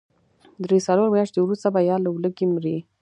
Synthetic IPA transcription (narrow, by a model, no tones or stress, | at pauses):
d̪ɾesaloɾmjɑʂt̪ewɾust̪abajɑlawləkimɾi